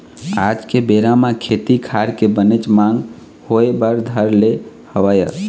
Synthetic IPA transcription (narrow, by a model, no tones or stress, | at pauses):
ad͡ʒkebeɾamakʰet̪ikʰaɾkebənet͡ʃmaŋɡ | hoebəɾd̪ʱəɾle | həʋəjə